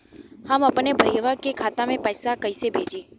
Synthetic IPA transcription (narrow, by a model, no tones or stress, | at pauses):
hamapəɳːebʱəjʋakekʰat̪amẽpəjsakəjsebʱed͡ʒi